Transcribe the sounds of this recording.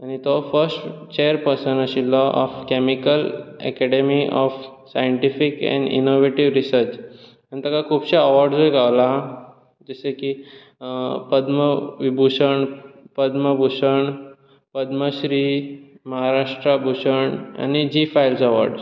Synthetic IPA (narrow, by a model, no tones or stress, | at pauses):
añit̪ɔfəɾsʈt͡ɕeəɾpəɾsənəɕilɔʔɔ̰fkɛmikəlɛ̰kɛɖemiʔɔfsajəɳʈifikɛ̰̃ɳɖḭnoʋeʈiʋɾisəɾt͡ɕ | anit̪akakʰuːbɕaəʋaɾɖd͡zoiɡʱaʋla | d͡ʑeseki | pəd̪məʋibʱuɕəɳpəd̪məbʱuɕəɳ | pəd̪məɕɾi | məɦaɾaʂʈɾabʱuɕəɳa̰nid͡ʑifajilsəʋaɾɖs